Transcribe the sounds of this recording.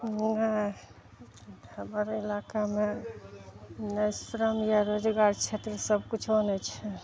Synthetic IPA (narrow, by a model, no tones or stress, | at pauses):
nɛ | əbəɾilakame | nəjsɾəmjaɾod͡ʒɡaɾt͡ʃʰet̪ɾəsəbʱkut͡ʃʰonɛt͡ʃʰɛ